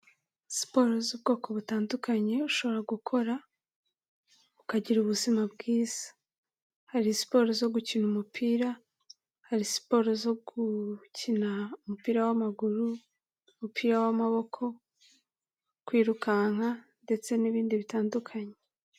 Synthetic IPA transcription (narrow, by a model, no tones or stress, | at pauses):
si̥po̞ɾozubɡo̞ːko̞βutaːndukaɲe̞uʃo̞βo̞ɾaɡukʰo̞ɾa | ukaɟiɾuβuzimab̚ɡiːz̥i̥ | haɾisi̥po̞ɾozo̞ɡucinumupʰiːɾa | haɾisi̥po̞ɾozo̞ɡucinaumupiːɾawamaɡuɾu | umupʰiːɾawamaβo̞kʰo̞ | kwiːɾukaŋ̥hande̞t͡se̞niβiːndiβitaːndukʰaɲe̞